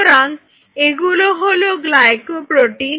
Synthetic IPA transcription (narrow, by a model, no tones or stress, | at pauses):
ɾaŋ | eɡuloɦoloɡlajkupɾoʈi